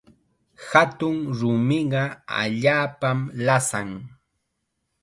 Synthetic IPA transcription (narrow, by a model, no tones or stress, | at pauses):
hat̪ʊŋɾʊmɪɢɑa̰ʎaːpamlasaŋ